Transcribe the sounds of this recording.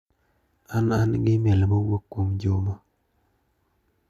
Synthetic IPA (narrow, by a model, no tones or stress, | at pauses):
ananɡɪmɛlmowokːwomd͡ʒoma